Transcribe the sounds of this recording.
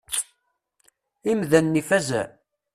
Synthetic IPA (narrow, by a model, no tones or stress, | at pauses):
imðænːifæzæ̰